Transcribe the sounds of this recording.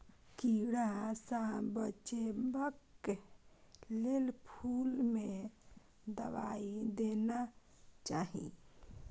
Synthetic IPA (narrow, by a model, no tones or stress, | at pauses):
kiɽasəbət͡ʃebək | lelpʰulme | d̪əba̰id̪ena | t͡ʃaɦḭ̃